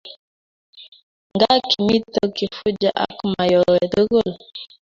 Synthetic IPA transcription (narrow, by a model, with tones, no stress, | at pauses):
ŋɡa˦ki˨mi˦tə˦ki˨fu˦d͡ʒa˦ʔa̰˦kma˨jɔ˨wɛ˨də˦ɣo˦˨l